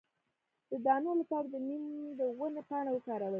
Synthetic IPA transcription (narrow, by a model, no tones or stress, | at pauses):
d̪̥əd̪ɑnolapɑɾad̪ənimd̪əwənapɑɳ̃awəkɑɾawa